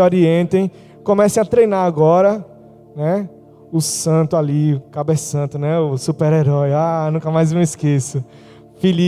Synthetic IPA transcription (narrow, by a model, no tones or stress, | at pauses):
oɾiẽnt̪ẽj̃ | kõmɛsẽj̃at̪ɾejnaɾaɡɔɾɐ | nɛ | ʊsɐ̃nt̪ʊaliʊkabesɐ̃nt̪ʊnɛʊsupeɾeɾɔjanũkɐmajzmeiskesʊ | fili